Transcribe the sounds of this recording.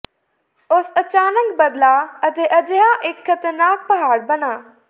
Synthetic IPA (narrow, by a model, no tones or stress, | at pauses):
osɐt͡ɕaːnəkbɐd̪laɐt̪eʔɐd͡ʒəɦãʔekʰːɐt̪əɾnaːk̚pɐɦaːɽbɐnaː